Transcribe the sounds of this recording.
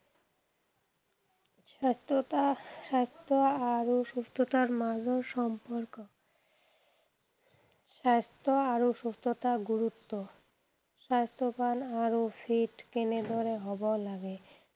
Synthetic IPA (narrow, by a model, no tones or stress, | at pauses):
ast̪oaɾoʃust̪ʰot̪aɾmad͡ʑoɾʃɔmpoɾko | ʃast̪oaɾoʃust̪ʰot̪aɡuɾut̪ːo | ʃast̪opanaɾofʰiʈkened̪ʱoɾeɦɔbalaɡe